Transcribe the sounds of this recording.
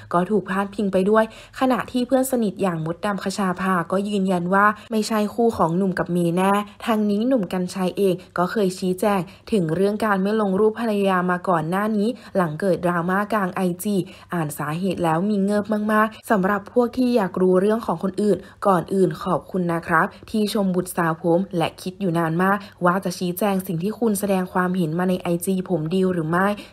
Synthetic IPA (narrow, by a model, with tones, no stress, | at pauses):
kɔː˥˩t̪ʰuː˨˩k̚pʰaː˥˩npʰi˧ŋpa˧jdu˥˩əj | kʰa˧na˨˩ʔt̪ʰiː˥˩pʰɯ˥˩ənsa˧ni˨˩t̪̚jaː˨˩ŋmo˦˥t̪̚da˧mpʰa˧t͡ɕʰaː˧pʰaː˧kɔː˥˩jɯː˧nja˧nwaː˥˩ma˥˩jt͡ɕʰa˥˩jkʰuː˥˩kʰɔː˩˦ŋnu˨˩mka˨˩p̚miː˧nɛː˥˩t̪ʰaː˧ŋniː˦˥nu˨˩mka˧nt͡ɕʰa˧jʔeː˧ŋkɔː˥˩kʰɤː˧jt͡ɕʰiː˦˥t͡ɕɛː˧ŋ | t̪ʰɯ˩˦ŋɾɯ˥˩əŋkaː˧nma˥˩jlo˧ŋɾuː˥˩pʰːa˧la˧ja˧jaː˧maː˧kɔː˨˩nːaː˥˩niː˦˥la˩˦ŋkɤː˨˩t̪̚dɾaː˧maː˥˩kaː˧ŋʔa˧jt͡ɕiː˧˩ | ʔaː˨˩nsaː˩˦ɦeː˨˩t̪̚lɛː˦˥wmiː˧ŋɤː˥˩p̚ma˥˩ŋmaː˥˩k̚sa˩˦mɾa˨˩pʰːu˥˩ək̚t̪ʰiː˥˩jaː˨˩k̚ɾuː˧ɾɯ˥˩əŋkʰɔː˩˦ŋkʰo˧nʔɯː˨˩nkɔː˨˩nʔɯː˨˩nkʰɔː˨˩p̚kʰu˧nːa˦˥kʰɾa˦˥p̚t̪ʰiː˥˩t͡ɕʰo˧mbu˨˩t̪̚saː˨˧˦wpʰo˩˦mlɛ˦˥kʰi˦˥t̪̚juː˨˩naː˧nmaː˥˩k̚waː˥˩t͡ɕa˨˩ʔt͡ɕʰiː˦˥t͡ɕɛː˧ŋsi˨˩ŋt̪ʰiː˥˩kʰu˧nsa˧dɛː˧ŋkʰwaː˧mɦe˩˦nmaː˧na˧jʔa˧jt͡ɕiː˧pʰo˩˦mdi˧wɾɯː˩˦ma˥˩j